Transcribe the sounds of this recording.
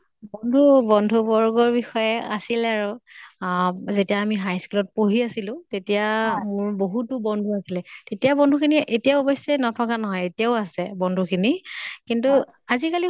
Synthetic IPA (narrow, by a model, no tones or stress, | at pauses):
bɔndʱubɔndʱubɔɹɡɔɹbixɔjɛa̰silɛaɹu | zetijaːmiɦajskulɔt̚poɦiasilʊ̃tetijamʊɹboɦutʊbɔndʱuasilɛtetijabɔndʱukʰiniʔetijaɔbɔjsɛnɔtʰɔkanɔɦɔjetijaʊasɛbɔndʱukʰinikintu | azikali